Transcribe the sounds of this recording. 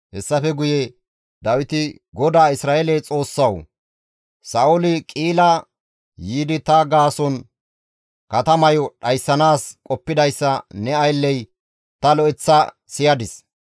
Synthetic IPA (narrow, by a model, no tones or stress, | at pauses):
hɛsːɐfɛɡʊjɛ | d̪ɐwɪt̪ɪ | ɡɔd̪aːɪsɾaːelɛjt͡sʼo̞ːsːɐw | sɐːʔʊlɪkʼiːlɐ | jiːd̪ɪt̪ɐɡaːsɔn | kɐt̪ɐmɐjɔɗɐjsːɐnaːskʼɔpːɪd̪ɐjsːɐnɛɐjlːɛj | t̪ɐlɔɛt͡sːɐ | sɪjɐd̪ɪs